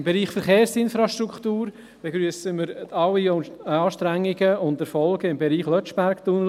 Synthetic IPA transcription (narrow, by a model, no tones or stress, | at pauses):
mbeɾiːχfəɾχeːɾsɪnfɾɑʃtɾukχt̪uːɾ | b̥eɡɾyəsəməɾɑwiɑːʃtɾæŋːɪɡəʊndəɾfɔlɡəɪmbɛɾiːχlœt͡ʃb̥æɾkt̪un